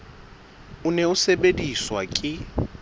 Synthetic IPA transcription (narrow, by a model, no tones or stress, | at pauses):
ʊnɛʊsebediswakʼɪ